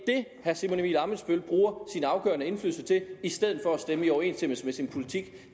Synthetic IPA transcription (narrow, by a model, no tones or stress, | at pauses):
d̥e̝ | hæsimo̝nimilɑ̈ːməsb̥ølb̥ʁuːɐsinɑ̈ʊɡ̥ɶ̰ɐnəe̝nfly̰ːl̩sət͡sʰe̝isd̥eð̞̰ˠð̩ˠfɒ̽æsd̥eməiɒʊɐe̝̰ːnsd̥em̰əsmesinpʰo̝lit͡sʰiɡ̥